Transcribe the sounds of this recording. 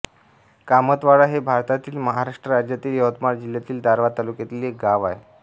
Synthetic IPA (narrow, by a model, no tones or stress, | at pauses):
kamət̪ʋaɽaɦebʱaɾt̪at̪iːlməɦaɾaʂʈɾəɾad͡ʑjat̪iːljət̪maɾd͡ʑilːjat̪iːld̪ʱaɾʋat̪alukjat̪iːlek̚ɡaʋae